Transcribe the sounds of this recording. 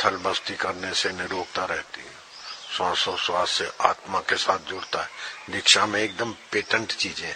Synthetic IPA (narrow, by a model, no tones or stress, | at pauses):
t̪ʰəlbəst̪ikɐɾnesenɪɾoːk̚t̪aɾɛɦt̪iɦɛ | sãsoswaːsseʔaːt̪makesaːt̪̚ʰd͡ʒʊɽt̪aɦɛːd̪ɪkʃamẽeːk̚d̪əmpeːʈə̃ɳʈt͡ʃiːzẽɦɛ̃